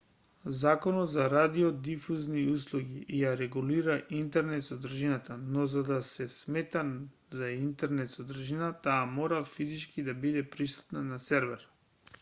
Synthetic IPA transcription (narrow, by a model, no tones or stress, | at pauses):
zakonɔt̪zaɾad̪iɔd̪ifuznius̬lˠuɡiʔijaɾɛɡuliɾaʔint̪ɛɾnɛt̪sɔd̪r̩ʒinat̪anɔzad̪asɛsmɛt̪a | zaint̪ɛɾnɛt̪sɔd̪r̩ʒinat̪aːmɔɾafizit͡ʃkid̪abid̪ɛpɾisu̥t̪nanasɛɾvɛɾ